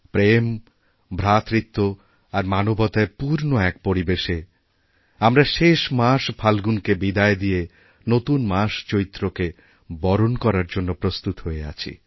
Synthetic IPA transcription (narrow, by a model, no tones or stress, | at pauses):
pɾem | bʱɾat̪ɾit̪ːo | aɾmanobɔt̪aepuɾnoɛk̚poɾibeʃe | amɾaʃeʃmaʃbʰʱalɡunkebid̪aed̪ie | not̪unmaʃt͡ɕoɾit̪ːɾoke | bɔɾonkɔɾaɾd͡ʑonːopɾost̪ut̪ɦoea̰t͡ɕʰḭ